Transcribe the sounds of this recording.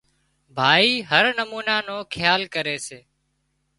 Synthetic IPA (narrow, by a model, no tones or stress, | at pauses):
bʱaːiːɦəɾnəmuːnaːnoːkʰɪjaːlkəɾeːseː